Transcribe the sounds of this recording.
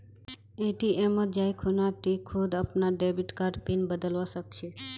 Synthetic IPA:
eʈiʔemod͡ʒajkʰunatikʰud̪apnaɖebiʈkaɾɖpinbəd̪əlʋaʃəkʃe

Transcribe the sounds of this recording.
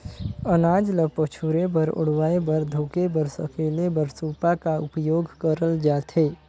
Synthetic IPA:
ənaːd͡ʒləpət͡ʃʰuɾebəɾʊ̰ɽwaːebəɾd̪ʱoːkebəɾsə̰keːlebəɾsuːpakaʊpjoːɡkəɾəld͡ʒaːt̪ʰeː

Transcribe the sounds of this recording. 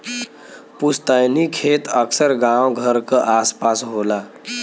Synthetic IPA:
pust̪əjnikʰet̪əksəɾɡawɡʱəɾkəʔaspasɦola

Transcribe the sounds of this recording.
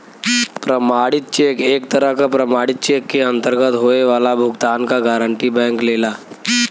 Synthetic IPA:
pɾəmaːɽɪt̪̚t͡ʃeːkeːk̚t̪əɾəɦkapɾəmaːɽɪt̪̚t͡ʃeːkːeɐ̃nt̪əɾɡət̪ɦoːeʋaːlabʱʊɡt̪aːnkaɡaːɾə̃ɳʈibɛ̃ːŋkleːlaː

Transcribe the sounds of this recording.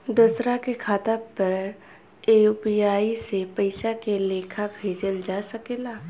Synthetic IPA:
d̪ʊːsɾakekʰaːt̪apɐɾ | eupijaːisepəɪsakeleːkʰabʱeːd͡ʒəld͡ʒaːsəkeːlaː

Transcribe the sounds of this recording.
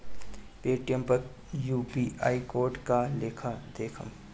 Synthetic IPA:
peːʈijə̃mpɐɾ | juːpiaːikoːɾʈkaleːkʰad̪eːkʰə̰̃m

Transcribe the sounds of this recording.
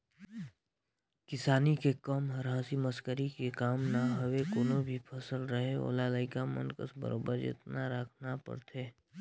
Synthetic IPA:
kɪsaːnikekɔːmɦəɾɦãːsiməskəɾikekaːmnaɦəʋekoːnõbʱipʰəsəlɾəɦeo̰ːlaːlaɪkamə̰nkəsbə̰ɾoːbəɾd͡ʒɪ̰t̪naɾəkʰnapə̰ɾt̪ʰeː

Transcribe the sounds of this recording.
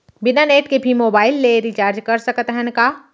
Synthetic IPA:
bɪnaneːʈkebʱimoːbaːɪlːeɾit͡ʃaːɾd͡ʒkɐɾsɐkət̪ɦənkaː

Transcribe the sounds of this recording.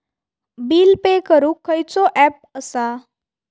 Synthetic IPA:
biːlpekəɾũːkʰːəjt͡soʔɛp̚əsa

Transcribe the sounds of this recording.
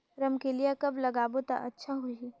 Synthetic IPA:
ɾɐmkelijakɐblɐɡaːbot̪a̰ʔɐtːʃʰaɦʊii

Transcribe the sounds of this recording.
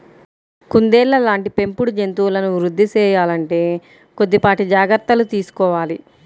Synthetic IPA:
kund̪eːlːɐlaːɳʈipe̞mpuɽud͡ʒe̞nt̪uːlɐnuʋɾud̪ʱːit͡ʃɛːjaːlɐɳʈe̞ː | kod̪ːipaːʈid͡ʒaːɡɐɾt̪ɐlut̪iːsu̥kɔːʋaːli

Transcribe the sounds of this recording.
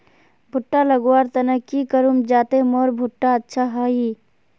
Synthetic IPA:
bʱʊʈːalɐɡwaːɾt̪ɐnɐkikəɾumd͡ʒaːt̪emoːɾbʱʊʈːaətːʃʰaɦaːiː

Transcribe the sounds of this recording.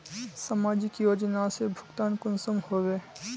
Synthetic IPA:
səmaːd͡ʒɪkjoːd͡ʒnasebʱʊkt̪aːnkʊnsəmhoːʋeː

